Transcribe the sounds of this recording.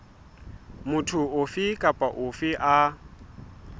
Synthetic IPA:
mʊtʰʊʊfɪkʼapʼaʔʊfɪʔa

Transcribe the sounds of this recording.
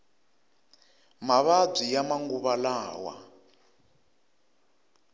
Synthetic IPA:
maβab͡ʐijamaŋɡuβalaːwa̰

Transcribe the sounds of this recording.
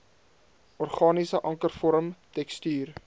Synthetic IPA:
ʔɔrχɑːnisəʔɐŋkərfɔɾəmtɛkstyːr

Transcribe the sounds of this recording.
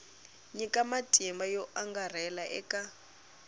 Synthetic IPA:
ɲikʼamatʼimbajɔʔaŋɡar̤ɛlaʔɛ̰kʼa

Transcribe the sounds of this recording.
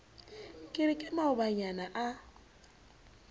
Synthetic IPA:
kʼɪɾɪkʼɪmaʊbaɲanaʔa

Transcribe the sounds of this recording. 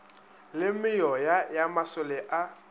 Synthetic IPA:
lɪmɪjɔjajamasʊlɛʔa

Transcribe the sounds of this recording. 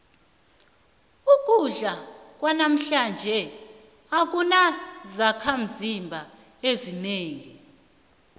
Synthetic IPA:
uk̬ʼuɮak̬ʼwanam̩ɬand͡ʒʱɛ | ak̬ʼunazakʰam̩zimbʱa | ezineːŋi

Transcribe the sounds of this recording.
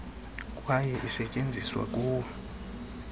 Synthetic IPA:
kʼwajɛʔisɛcʼend͡zʱiswa̰kʼuː

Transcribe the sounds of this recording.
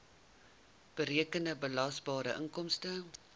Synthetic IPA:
b̥əɾiəkəndəbəlɑsbɑːɾəʔəŋkɔmstə

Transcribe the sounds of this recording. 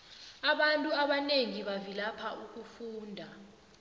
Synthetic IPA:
aɓantʼuaɓaneŋiɓavilapʰauk̬ufuːndʱa

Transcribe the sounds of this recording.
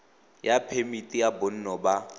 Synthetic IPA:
japʰemitʼijabon̩nɔba

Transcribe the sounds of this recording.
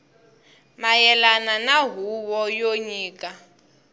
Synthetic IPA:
majɛlananaɦuwɔjoɲiːkʼa

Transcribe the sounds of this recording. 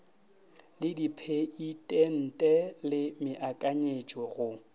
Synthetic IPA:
lɪdipʰeitʼen̩tʼɛlɪmɪʔakʼaɲet͡ʃʼwɔɣʊ

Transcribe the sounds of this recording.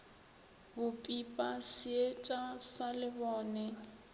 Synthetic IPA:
bʊpʼipʼasɪet͡ʃʼasalɪbɔːnɛ

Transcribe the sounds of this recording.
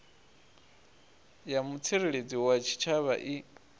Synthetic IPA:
jamut͡sʰiɺeɺed͡ziwat͡ʃʰi̥t͡ʃʰaβa̰ʔi

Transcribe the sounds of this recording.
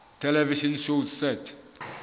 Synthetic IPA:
tʰɛlɛviʃɔnʃozsɛtʰ

